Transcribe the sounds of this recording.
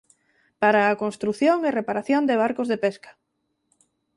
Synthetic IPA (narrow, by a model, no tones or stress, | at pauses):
paɾaːkonst̪ɾuθjoŋerepaɾaθjond̪eβ̞aɾkozðepɛskḁ